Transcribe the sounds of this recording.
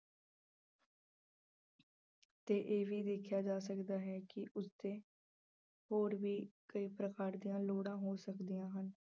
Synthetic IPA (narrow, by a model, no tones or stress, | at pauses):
t̪eːʔeːʋiːd̪eːkʰːjaːd͡ʒaːsəkd̪aːɦɛːkɪʔʊsd̪eː | hoːɾʋiːkəiːpɾəkaːɾd̪ijãːloːɽãːɦoːsəkd̪ijãːɦən